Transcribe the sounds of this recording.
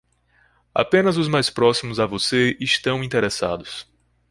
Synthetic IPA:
a̰pẽnɐzʊzmajspɾɔsimʊzavoseiʃt̪ɐ̃w̃ĩnt̪eɾesa̰d̪ʊs

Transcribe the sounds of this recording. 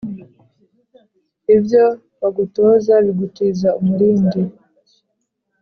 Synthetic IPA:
ibjo | βaɡutozaβiɡutiːzaumuɾiːndi

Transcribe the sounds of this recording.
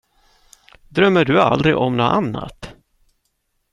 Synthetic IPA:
d̪ɾœmːəɖɵa̰ld̪ɾɪʔɔmnoːʔanːa̰t̪

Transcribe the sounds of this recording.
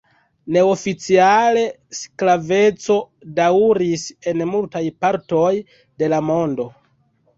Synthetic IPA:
ne̞ofit͡siale̞ | sklave̞t͡so̞ | dawɾise̞nmultajpaɾto̞j | de̞lamo̞ndo̞

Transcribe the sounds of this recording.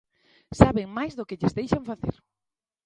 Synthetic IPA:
saβeŋmajzðʊkɪʎɪzðejʃaŋfaθḛɾ

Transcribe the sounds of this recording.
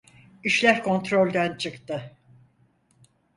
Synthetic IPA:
iʃlʲæɾkʰo̞nt̪ɾo̞lʲd̪ænt͡ʃʰɯkt̪ɯ

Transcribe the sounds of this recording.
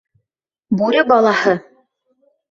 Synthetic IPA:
buɾʲɘbɑlˠɑhɤ

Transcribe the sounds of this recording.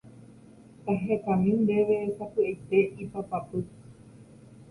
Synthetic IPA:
t̪aɦeet̪ãmĩnd̪e̞ʋesapɨejt̪e̞ʔipapapɨ

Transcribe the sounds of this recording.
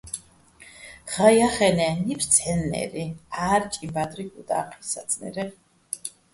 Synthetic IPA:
ʁ̥ajaχɛnɛnipʰɾt̪sʰɛnːɛ̰ɾiaːɾt͡ʃʼimbad̪ɾikud̪ʼa̰qʼʰisat̪sʰʼnɛ̰ɾɛ

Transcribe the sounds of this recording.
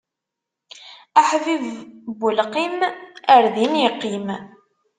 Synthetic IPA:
aħvivbʊlqiməɾðinjəqːim

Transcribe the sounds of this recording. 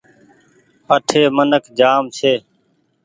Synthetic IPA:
əʈʰeːmənəkd͡ʒaːmsʰeː

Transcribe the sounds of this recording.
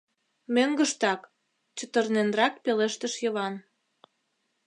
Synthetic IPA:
møŋɡə̆ʃt̪ɑk | t͡ɕə̆t̪ə̆rnenrɑk̚peleʃt̪əʃjə̆βɑn

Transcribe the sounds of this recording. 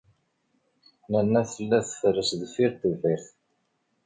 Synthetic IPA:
nænːæθəlːæθfɾːəsðfiɾt̪uviθ

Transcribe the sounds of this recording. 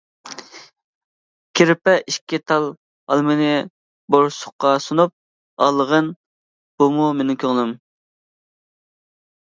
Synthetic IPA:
kʲʰeɾɪpɛʔiʃkʲit̪ʰɑlˠ | ɑ̰lˠmɨnɨ | boɾsʊ̥qːɑsunup̚ | ɑlˠəʁən | b̥umumenɪŋkʲʰøŋlˠɨm

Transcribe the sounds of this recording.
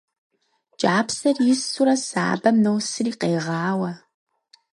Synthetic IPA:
d͡ʒʼaːpsɐrjɪsuɾɐsa̰ːbɐmnowsɨriːqeːʁɑːwɐ

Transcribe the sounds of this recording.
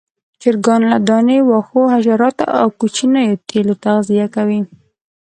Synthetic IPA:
t͡ʃɪɾɡɑnlad̪ɑnewɑxoɦaʒaɾɑt̪a̰ʔa̰wkut͡ʃinajot̪elot̪aɣzijakawi

